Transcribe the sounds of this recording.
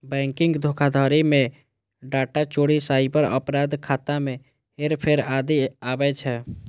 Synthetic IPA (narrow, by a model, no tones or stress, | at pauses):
bɛ̃ːŋkɪ̃ŋɡd̪ʱoːkʰad̪ʱaːɾimẽ | ɖaːʈat͡ʃoːɽisaːibəɾə̰pɾaːd̪kʰaːt̪amẽ | eɾpʰeɾaːd̪iaːbɛt͡ʃʰɛ